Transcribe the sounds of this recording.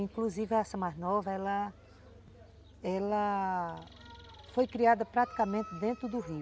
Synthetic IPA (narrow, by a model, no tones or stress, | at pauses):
ĩkluzivɪɐasɐ̃maznɔvɐɛlɐ | ɛlɐ | fojkɾiad̪ɐpɾat̪i̥kamẽnt̪ɪd̪ẽnt̪ɾʊd̪ʊɦi